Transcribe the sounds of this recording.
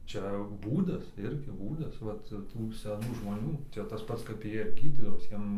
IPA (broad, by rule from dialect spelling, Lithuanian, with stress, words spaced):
ˈt͡ʃʲɛ ˈbuːdɐs ˈɪrʲɡʲɪ ˈbuːdɐs ˈʋɐt ˈtuː sʲɛˈnuː ʒmoːˈnʲuː ˈt͡ʃʲɛ tɐs ˈpɐts kɐp ˈjiɛ ˈɡʲiːdʲiːdɐʋoːs ˈjiɛm